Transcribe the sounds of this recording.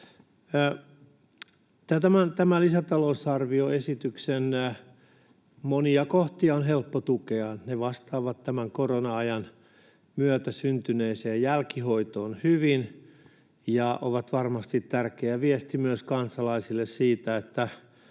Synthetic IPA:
t̪æt̪æmænt̪æmælisæt̪ɑlousɑrʋioesit̪yksen | moniɑkoht̪iɑonɦelpːot̪ukeɑneʋɑst̪ɑːʋɑt̪tæmæŋkoronɑɑjɑn | myøt̪æsynt̪yneiseːjjælkihoit̪oːnhyʋin | jɑʔoʋɑt̪ʋɑrmɑst̪it̪tærkeæʋiɛst̪imyøskɑnsɑlɑisilːessiːt̪æet̪ːæ

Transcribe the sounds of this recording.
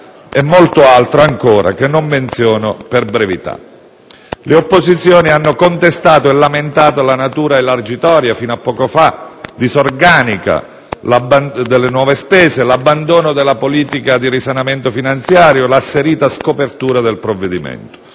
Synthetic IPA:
ɛmːolt̪ʊalt̪ɾoaŋkoːɾa̰kenːomːent̪sjɔːnoperbɾevit̪a̰ | leopːozit̪sːjoːnianːokont̪est̪aːt̪oɛlːament̪aːt̪olanat̪uːɾaelard͡ʒit̪ɔːɾjafiːnoapːɔːkofad̪izorɡaːnika̰ | labad̪elːenwɔːvespɛːzelabːand̪oːnod̪elːapoliːt̪ikad̪irisanament̪ofinant̪sjaːɾjolasːeɾiːt̪askopert̪uːɾad̪elpɾovːed̪imɛ̰nt̪ʊ̥

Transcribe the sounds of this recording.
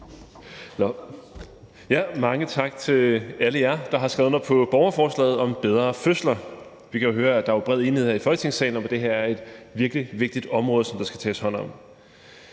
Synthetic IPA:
jæmɑ̈ŋət͡sʰɑ̈ɡ̥̚t͡sʰe̝æləjæɐd̥ɑ̈ɦɑ̈sɡ̥ʁɛːð̩ˠɒpʰɒ̽b̥ɒʊɐfɒːslɛ̰ːð̞̩ˠɒ̽mb̥eð̞ˠʁɐføslɐ | ʋikʰæjo̝ɦøːɐæd̥ɑ̈æɐb̥ʁɛð̰ˠe̝ːnheð̩ˠheɐifɒ̽lt͡sʰe̝ŋsɛ̰ːɪn̩ɒmɒd̥e̝ɦeɐæɐe̝d̥ʋiɐɡ̥liʋe̝ɡ̥̚d̥id̥ɒ̽mʁɔ̽ːðˠsɒ̽md̥ɑ̈sɡ̥æ̥t͡sʰɛ̰ːshɒ̽n̰ɒ̽m

